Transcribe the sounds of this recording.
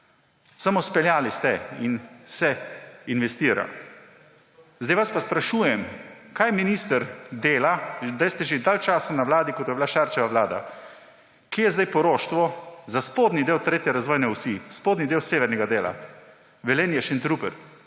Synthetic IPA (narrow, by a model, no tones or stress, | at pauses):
samospɛljaːlist̪ɛinsɛinʋɛst̪iːɾa̰ | zd̪ajʋaspaspɾaʃuːjɛmkaːjminiːst̪əɾd̪eːlad̪ajst̪ɛʒed̪aːlt͡ʃaːsanaʋlaːd̪ikot̪jɛbilaʃaɾt͡ʃɛʋaʋlaːd̪a̰ | kejɛzd̪ajpɔɾoːʃt̪ʋɔzaspoːd̪nid̪eːwt̪ɾeːt̪jɛɾazʋɔːjnɛwsiːspoːd̪nid̪eːwseːʋɛɾnʲɛɡad̪eːla̰ | ʋɛleːnjɛʃɛnt̪ɾupɛ̰ɾ